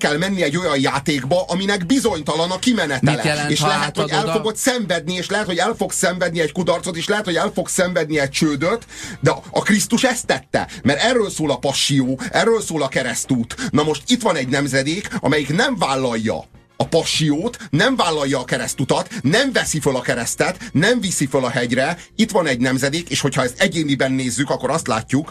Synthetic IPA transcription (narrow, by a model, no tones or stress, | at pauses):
kɛlmɛnːiɛɟo̞jɒjjaːt̪eːɡbɒʔɒminɛɡbizo̞ɲt̪ɒlɒnɒkimɛnɛt̪ɛlɛ̰eːʃlɛɛt̪hoɛlfoɡo̞t̪sɛɱvɛd̪̚nieːʃlɛɦɛt̪ho̞ɟɛlfo̞ɡsɛɱvɛd̪niɛckud̪ɒrt̪so̞t̪eːʃlɛɦɛt̪ho̞ɟɛlfo̞ksɛɱvɛd̪̚niɛc̚t͡ʃøːd̪øt̪d̪ɛɒkrist̪uʃɛst̪ːɛt̪ːɛ̰mɛɾɛrːøːlsoːlɒpɒʃːioːɛrːøːlsoːlɒkɛɾɛst̪uːt̪nɒmo̞ʃt̪it̪ʋɒnɛɟnɛmzɛd̪eːkɒ̰mɛjiknɛɱvaːlːɒjːɒ̰ | ɒpɒʃːijoːt̪nɛɱvaːlːɒjːɒːkɛɾɛst̪ut̪ɒt̪nɛɱvɛsifølɒkɛɾɛst̪ɛt̪nɛɱvisifølɒɦɛɟrɛ | it̪ʋɒnɛɟnɛmzɛd̪eːkeːʃho̞cʰhɒɛst̪ɛɟeːnibɛnːeːzːykɒkːo̞ɾɒst̪la̰ːcːuk